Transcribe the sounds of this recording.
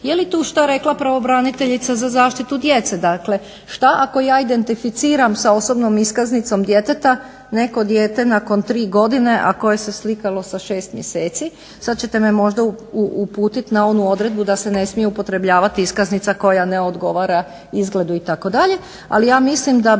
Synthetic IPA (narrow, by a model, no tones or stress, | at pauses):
jelit̪uːʃt̪aɾe̞klˠapɾaʋo̞bɾanit̪e̞ʎit̪sazazaːʃt̪it̪ud̪je̞t̪sed̪akle | ʃt̪aʔako̞jaːid̪e̞nt̪ifit̪siːɾamsao̞so̞bnomiskaznit̪so̞md̪je̞t̪e̞t̪a | ne̞ko̞d̪jeːt̪e̞nako̞nt̪ɾiːɡo̞d̪ine̞ʔa̰ko̞je̞se̞slikalo̞saʃe̞ːst̪mjese̞ːt̪si | sad̪̚t͡ɕe̞t̪e̞memo̞ʒd̪auupuːt̪it̪nao̞nuo̞d̪ɾe̞d̪̚bud̪ase̞ne̞smijeupo̞t̪ɾe̞bʎaːʋat̪iiskaznit̪sako̞janeo̞d̪ɡo̞ʋaːɾa | izɡle̞d̪uit̪ako̞d̪aʎe̞ | a̰lijaːmislimd̪a